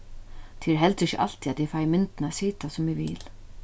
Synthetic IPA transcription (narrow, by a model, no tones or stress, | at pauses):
t̪ʰiːɾɦɛlt̪ɪçə̰ʔa̰l̥t̪ʰiːat̪ɪfajmɪnt̪nasiːt̪asʊmɛʋḭːl